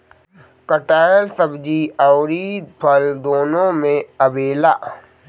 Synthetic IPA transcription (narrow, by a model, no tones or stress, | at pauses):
kəʈaːlsəbd͡ʒiaʊɾipʰəld̪oːnõmẽəbeːlaː